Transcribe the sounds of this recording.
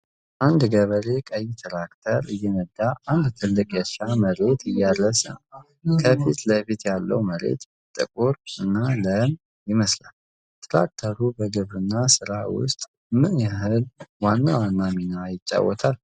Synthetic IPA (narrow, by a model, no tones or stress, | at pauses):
ʔand̪ɡəβəɾe̞kʼəjt̪ʰɾakt̪ʰəɾɨjːɛnəd̪ːaːnd̪t̪ʰɨlːɨkʼjɛʃaməɾe̞t̪ʰɨjːad̪ɾəsə̰n | kʰəfit̪ləfit̪jalːə̰wməɾe̞̰t̪bt̪ʼːɨkʼuɾɨnːaləm | jɪməsla̰l | t̪ʰʼɾa̰k̚t̪ʰəɾubəɡɨβɾɨnːasɨɾawʊ̰st̪ʼ | mɨnjaɦɨlwanːawanːaminajɪt͡ʃʼːa̰wːɔ̰t̪ʰal